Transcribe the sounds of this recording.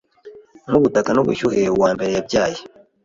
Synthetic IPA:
ŋuβutakanoβṵʃuhewaːmbe̞ɾejabɟaːji

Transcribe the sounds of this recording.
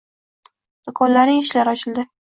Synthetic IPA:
d̪̥ʊkʰɒnlaɾnɪŋɪʃlaɾɒt͡ʃʰɪld̪ɪ

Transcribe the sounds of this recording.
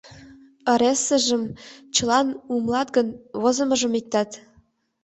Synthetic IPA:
ə̆ɾesə̆ʒəmt͡ɕə̆lɑnumlɑt̪ɡənβozə̆mə̆ʒə̆mik̚t̪ɑt̪

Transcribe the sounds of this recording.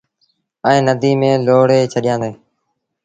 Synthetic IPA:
ɛ̃ːnəd̪ʱiːmẽːloːɽeːt͡ʃʰəɗɪjãːnd̪eː

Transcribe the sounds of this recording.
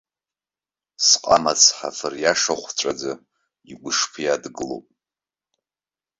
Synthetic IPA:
sqʼa̰mat͡sʰħa̰fɨrjaʂaχʷt͡ʃʷʼad͡za | iɡʷʊʂpʰjadɡɨlo̰pʼ

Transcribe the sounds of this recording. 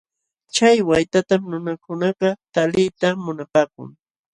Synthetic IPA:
t͡ʃajwajt̪at̪amnʊnakʊnɑɢɑt̪alɪjt̪amʊnapaːkʊ̰ŋ

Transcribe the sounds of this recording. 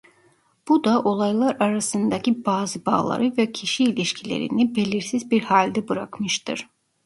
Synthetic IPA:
b̥ud̪aʔo̞lˠajlˠaɾaɾasɯnd̪acʰibaːzɯba̰ːlˠa̰ɾɯvɛcʰiʃiːlʲiʃcʰilʲḛɾḭnibe̞lʲiɾsizbiɾhalʲd̪ɛbɯɾakmɯʃt̪ʰɯ̰ɾ̥

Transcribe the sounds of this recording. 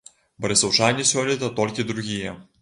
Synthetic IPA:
bɐɾʲɪsɐwt͡ʃanʲisʲɔlʲit̪ɐt̪ɔlʲkʲɪd̪ɾʊɣʲijɛ

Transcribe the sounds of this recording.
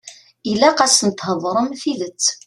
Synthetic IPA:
ilæqæsənt̪həðˤɾˤəmfiðət͡sː

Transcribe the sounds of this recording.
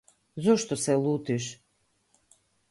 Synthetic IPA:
zoʃt̪oselut̪iʃ

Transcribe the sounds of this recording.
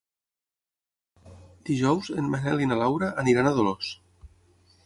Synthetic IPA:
d̪̥iʒɔwzenmanɛlinalawɾaʔːniɾanaðolos

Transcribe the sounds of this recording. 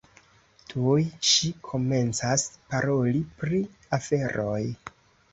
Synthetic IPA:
tʰujʃikʰo̞me̞nt͡saspaɾo̞lipɾi | afe̞ɾʔo̞j

